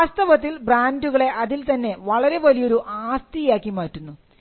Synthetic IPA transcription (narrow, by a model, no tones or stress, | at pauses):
aːst̪ɐʋɐt̪̬ːilbraːnduɣɐɭe̞ʔɐðilt̪ɐnːe̞ʋɐɭɐɾe̞ʋɐlijo̞ɾuʔaːst̪ijaːkːimaːtːunːu